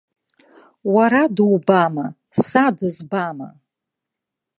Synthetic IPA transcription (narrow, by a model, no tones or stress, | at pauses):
waɾadwbama | sadɨzbama̰